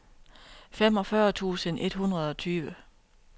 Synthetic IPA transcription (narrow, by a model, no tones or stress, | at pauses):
fem̰ɒ̽fɶːɐt͡sʰṵːsənʔe̝d̥ɦunʁɐð̞̩ˠɒ̽t͡sʰyːʋə